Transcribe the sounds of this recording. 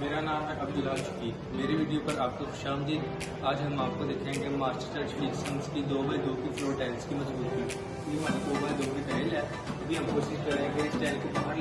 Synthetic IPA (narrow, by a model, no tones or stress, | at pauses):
meːɾanaːmɦɛʔɐb̚d̪ʊlaːt͡ʃʊ̥kiː | meːɾeʋiːɖijopɐɾaːp̚koxʊ̥ʃaːmd̪iːd̪ | aːd͡ʒɦɐmaːp̚kod̪eːkʰẽːŋɡemaːsʈəɾʈəɾt͡ʃfʰiːksɐ̃ŋskid̪oːmɐ̃d̪oːkifɾoːɾʈaːɪlskimɐzbuːt̪kɐɾ | imaːnid̪oːbɐ̃d̪oːbip̪ɛlɛː | ɐbʱiɦɐmɦoːʃɪskɐɾẽːɡeɪsʈaːɪlkip̪ɐnã